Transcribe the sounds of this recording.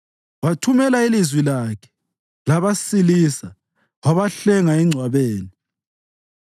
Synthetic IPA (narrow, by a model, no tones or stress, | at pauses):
watʰumɛlailizwilakʰɛ̥ | laβasilisa | waβaɬɛŋaɛŋ͡ǀʱwaβeːni